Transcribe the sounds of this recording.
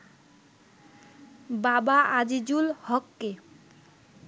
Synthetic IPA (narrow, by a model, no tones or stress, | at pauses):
babaad͡ʑid͡ʑulhɔkːe